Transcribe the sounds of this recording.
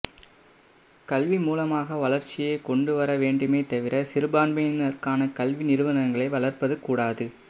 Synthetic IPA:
kɐlʋimuːlɐmaːɣɐʋɐɭɐɾt͡ʃːɪjekɔɳɖɯʋɐɾɐʋeːɳɖɯmeːt̪ɐʋɪɾɐsɪɾɯbaːɳbɐnɐrkaːnɐkɐlʋinɪɾɯʋɐnɐŋɡɐɭɐɪʋɐɭɐrpɐðɯkːuːɽaːðɯ

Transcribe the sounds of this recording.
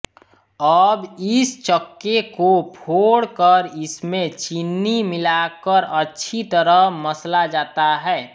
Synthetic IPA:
əbɪst͡ʃəkːekopʰoɽkəɾɪsmẽt͡ʃinːimɪlakəɾətːʃʰit̪əɾəməslad͡ʒaːt̪aɦɛː

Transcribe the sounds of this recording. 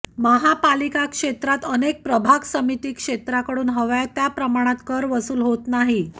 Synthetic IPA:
məɦapalikakʂet̪ɾat̪ənek̚pɾəbʱaɡsəmit̪iːkʂet̪ɾakəɽuːnɦəʋajt̪japɾəmaɽ̃at̪kəɾʋəsuːlɦot̪naɦi

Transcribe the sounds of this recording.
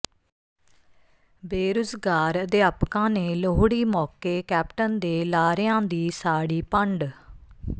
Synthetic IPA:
beːɾʊzɡaːɾd̪eːəpkãːneːloɦɽiːmɔːkeːkɛːpʈənd̪eːlaːɾɪjãːd̪iːsaːɽiːpəɳɖ

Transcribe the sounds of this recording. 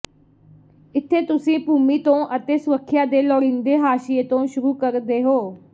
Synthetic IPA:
ɪt̪ʰːeːt̪ʊsĩːpuːmiːt̪õːʔət̪eːsʊɾəkʰːɪjaːd̪eːlɔːɾĩːnd̪eːɦaːʃɪeːt̪õːʃʊɾuːkəɾd̪eːɦoː

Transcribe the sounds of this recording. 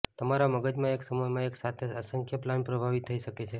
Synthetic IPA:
t̪əmaɾaməɡəd͡ʒmãeksəmojmãeksat̪ʰeəsəŋkʰjəplanpɾəbʱaʋit̪ʰːəiʃəket͡ʃʰe

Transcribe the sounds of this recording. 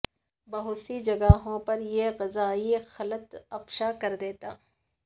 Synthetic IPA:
bɐɦʊsid͡ʒɐɡaːɦõpɐɾjeɣɪzaːixɐlət̪ɐpʃakɐɾd̪eːt̪aː

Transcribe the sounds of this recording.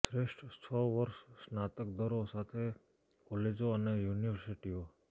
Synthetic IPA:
sɾeʃʈt͡ʃʰɔʋəɾʃːnat̪ək̚d̪ʱəɾosat̪ʰe | kɔled͡ʒoənejuniʋəɾsiʈio

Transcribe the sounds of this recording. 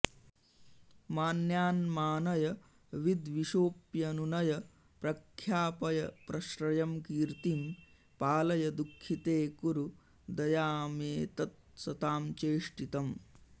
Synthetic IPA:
maːnjaːnmaːnɐjɐ | ʋid̪ʋiʃoːpjɐnunɐjɐ | pɾɐkʰjaːpɐjɐpɾɐʃɾɐjɐmkiːɾt̪im | paːlɐjɐd̪ukʰːit̪eːkuɾu | d̪ɐjaːmeːt̪ɐt̪̚sɐt̪aːmt͡ʃeːʂʈit̪ɐm

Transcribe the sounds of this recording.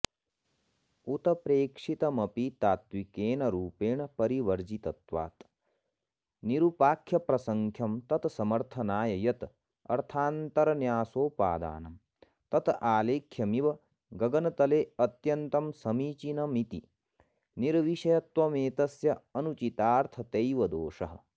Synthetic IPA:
ut̪ɐpɾeːkʂit̪ɐmɐpit̪aːt̪ʋikeːnɐɾuːpeːɳpɐɾiʋɐɾd͡ʒit̪ɐt̪ʋa̰ːt̪ | niɾupaːkʰjɐpɾɐsɐŋkʰjɐmt̪ɐt̪sɐmɐɾt̪ʰɐnaːjɐjɐt̪ | ɐ̰ɾt̪ʰaːnt̪ɐɾɐnjaːsoːpa̰ːd̪a̰ːnɐm | t̪ɐt̪ʰaːleːkʰjɐmiʋɐ | ɡɐɡɐnɐt̪ɐleːɐt̪jɐnt̪ɐmsɐmiːt͡ʃinɐmit̪i | niɾʋiʃɐjɐt̪ʋɐmeːt̪ɐsjɐɐnut͡ʃit̪aːɾt̪ʰɐt̪ɐjʋɐd̪oːʂɐɦɐ̆

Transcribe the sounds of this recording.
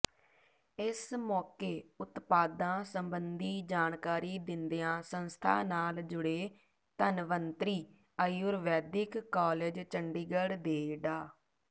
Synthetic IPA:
ɪsmɔːkeːʊt̪paːd̪ãːsəmbənd̪iːd͡ʒaːnkaːɾiːd̪ɪnd̪ijãːsənst̪ʰa̰ːnaːld͡ʒʊɽeː | t̪ənʋənt̪ɾiː | əjʊɾʋɛːd̪ɪkːaːleːd͡ʒt͡ʃəɳɖiːɡəɽd̪eːɖaː

